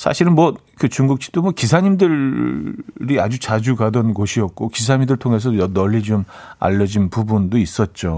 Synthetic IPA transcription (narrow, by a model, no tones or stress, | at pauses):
sʰa̰ɕʰiɾɯnmwʌkɯt͡ɕuŋɡuk̚ɕ͈i̥t͈omwʌkisʰaɲimdɯɭ | ɾiad͡ʑut͡ɕad͡ʑuɡadʌnɡoɕʰiʌt̚k͈okis̬ʰaɲindɯɭtʰoŋe̞s̬ʰʌʌnʌʎːit͡ɕoma̰ʎːʌd͡ʑinpubundois͈ʌt̚t͡ɕ͈o